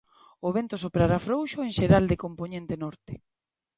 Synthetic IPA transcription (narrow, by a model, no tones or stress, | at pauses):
oβent̪osopɾaɾafɾowʃoeŋʃeɾald̪ekompoɲẽnt̪enɔɾt̪e̥